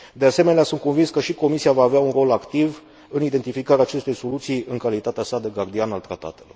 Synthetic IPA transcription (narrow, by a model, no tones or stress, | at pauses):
d̪e̞ase̞me̞neasunt̪ko̞nvinskəʃiko̞misiavaːveaunro̞lakt̪iv | ɨnid̪e̞nt̪ifikaɾeaːt͡ʃe̞st̪e̞jso̞lut̪sijɨŋkalit̪at̪easad̪e̞ɡard̪ianalt̪ɾat̪a̰t̪e̞lo̞r